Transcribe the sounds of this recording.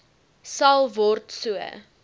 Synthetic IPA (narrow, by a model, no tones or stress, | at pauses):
sɐlˠvɔrtsuə̰